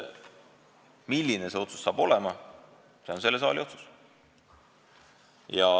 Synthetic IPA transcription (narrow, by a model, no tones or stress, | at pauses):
milːinese̞o̞t̪su̥sːɑːb̥o̞lɛmɑ | seonse̞lːe̞s̬ɑ̰ːlio̞t̪su̥s | jɑ